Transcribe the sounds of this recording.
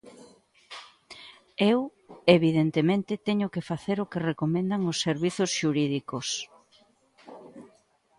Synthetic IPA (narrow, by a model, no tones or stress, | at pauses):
ew | eβiðent̪emẽnt̪ɪt̪ɛɲʊkefaθeɾʊkerekomẽnd̪aŋosːeɾβiθʊsʃuɾiðikos